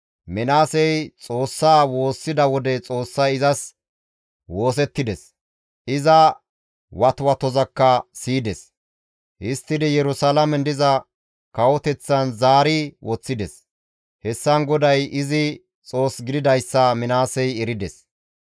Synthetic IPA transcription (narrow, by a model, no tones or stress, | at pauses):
mɪnaːsɛjt͡sʼo̞ːsːaːwo̞ːsːɪd̪ɐwɔd̪ɛt͡sʼo̞ːsːɐɪzɐs | wo̞ːs̬ɛt̪ːɪd̪ɛs | ʔɪzɐ | wɐt̪wɐt̪ɔzɐkːɐsiːd̪ɛs | ʔɪst̪ːɪd̪ɪjɛɾʊsalɐmɛnd̪ɪzɐ | kɐwɔt̪ɛt͡sːɐnzaːɾɪwɔt͡sːɪd̪ɛs | hɛsːɐnɡɔd̪ɐjʔɪzɪ | t͡sʼo̞ːsɡɪd̪ɪd̪ɐjsːɐmɪnaːsɛjɛɾɪd̪ɛs